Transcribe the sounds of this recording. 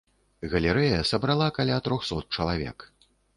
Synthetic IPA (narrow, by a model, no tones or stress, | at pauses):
ɣɐlʲɛɾɛjɐsɐbɾalˠakalʲat̪ɾɔxsɔt̪̚t͡ʂɐlˠavʲɛ̰k